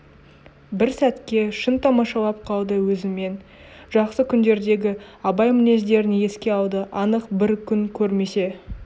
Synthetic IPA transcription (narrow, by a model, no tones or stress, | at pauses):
bɪɾsæt̪kʲe̞ʃənt̪ʰɑmɑʃɑlˠɑp̚qʰɑlˠd̪əwɵzɪme̞n | ʒ̥ɑqsəkʲʰʏnd̪e̞ɾd̪e̞ɡʲɪɑbɑjmɪne̞zd̪e̞ɾɪne̞skʲe̞ɑlˠd̪əʔɑnəqbɪɾkʲʰʏŋkʲʰɵɾme̞se̞